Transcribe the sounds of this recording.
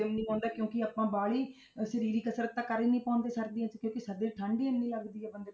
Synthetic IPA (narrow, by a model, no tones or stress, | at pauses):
emnĩːãːnd̪aːkjõːkɪaːpãːbaːɭiː | səɾiːɾiːkəsɾət̪ːãːkəɾiːnĩːpãːnd̪eːsəkd̪iːãːt͡ʃkjõːkɪsəd̪eːʈʰãːɳɖiːenːĩːləɡd̪iːɛːbənd̪eː